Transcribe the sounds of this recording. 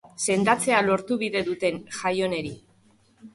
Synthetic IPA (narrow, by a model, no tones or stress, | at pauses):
se̞nd̪at͡se̞alo̞ɾt̪uβiðe̞ðut̪e̞nʝajo̞ne̞ɾi